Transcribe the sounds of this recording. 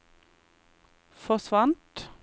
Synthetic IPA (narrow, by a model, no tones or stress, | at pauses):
fɔsʋɑnt̪